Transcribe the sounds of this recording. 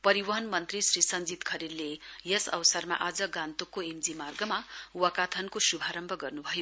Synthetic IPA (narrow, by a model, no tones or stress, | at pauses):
pʌɾiwʌɦʌnmʌnt̪risrisʌnd͡zit̪kʰʌɾillejʌsʌ̰wsʌrma̰ʔad͡zʌɡãnt̪ukːoemd͡zimarɡʌmauwʌkat̪ʰʌnkosubʱaɾʌmbʱʌɡʌrnubʱʌjo